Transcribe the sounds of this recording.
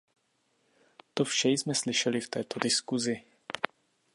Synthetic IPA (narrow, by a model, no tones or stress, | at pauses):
t̪ofʃɛjzmɛslɪʃɛlɪft̪ɛːt̪o̞dɪskuzɪ